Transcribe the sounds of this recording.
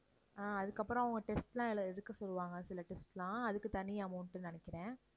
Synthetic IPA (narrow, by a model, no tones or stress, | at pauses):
ãːɐðɯkːɐpːɯɾõɐʋɐŋɡɐʈɛsʈlãːɛlɛɾɯkːɐsɔlːɯʋaːŋɡɐsɪlɐʈɛsʈlãːɐðɯkːɯt̪ɐnːɪjaːmɐɳʈːɯnɐnɪkːɪɾẽː